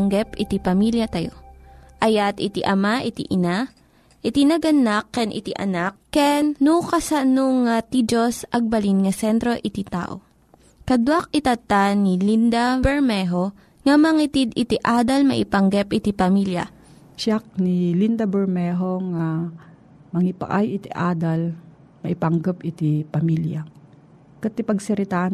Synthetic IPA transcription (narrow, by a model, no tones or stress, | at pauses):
ŋɡɛpɪt̪ipɐmiljɐt̪ɐjoʔɐjat̪ɪt̪iʔɐmaʔɪt̪ḭʔɪna | ʔɪt̪inɐɡɐnakːɛnʔɪ̰t̪ḭʔɐ̰nakːɛnːukɐsɐnoŋːat̪id͡ʒosʔɐɡ̚bɐlinŋɐsɛnt̪ɾo̞ʔɪt̪it̪a̰ːʔo̞̰ | kɐd̪wak̚ɪt̪ɐt̪anilind̪abɛɹmɛɦo | ŋɐmɐŋit̪id̪ɪt̪iʔaːd̪ɐlmɐ̰ʔɪpɐŋɡɛpʔɪt̪ipɐmiljɐ̰ | ʃak̚nilind̪ɐbɛɾmɛɦoŋa | mɐŋɪpa̰ʔajɪt̪iʔaːd̪ɐl | mɐʔɪpɐŋɡɛpʔɪt̪ipɐmilja | kɐt̪ipɐɡsɛɾɪt̪a